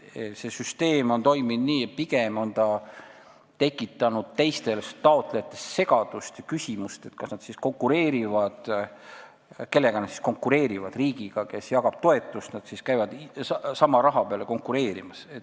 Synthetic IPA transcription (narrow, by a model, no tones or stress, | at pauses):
sesyst̪e̞ːmo̞nt̪o̞jminniːpiɡ̥e̞mo̞nt̪ɑ | t̪e̞kːˑit̪ːˑɑnud̪̥̚t̪e̞jst̪e̞lst̪ɑo̞t̪ˑle̞jɑt̪ːˑe̞sse̞ɡɑd̪̥ust̪jɑkysʲimust̪e̞t̪ːkɑsnɑd̪sisko̞ŋkːˑuɾe̞ːɾivɑd̪̥ | ke̞lːe̞ɡ̥ɑnɑd̪si̥sko̞ŋkːˑuɾe̞ːɾivɑd̪̥riːɡiɡ̥ɑke̞sjɑkɑb̥̚t̪o̞e̞t̪ːˑust̪nɑd̪̥siskæjvɑd̪̥ɑsɑmɑɾɑɦɑpeɑle̞ko̞ŋkuɾe̞ːɾimɑset̪